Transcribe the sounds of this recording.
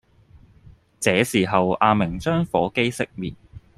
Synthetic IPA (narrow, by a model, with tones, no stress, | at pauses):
t͡sɛː˨˧˥siː˨˩ɦɐ˨waː˧mɪ˨˩ŋt͡ʃœː˥ŋfɔː˨˥ke˥jsɪ˥k̚miː˨˩n̚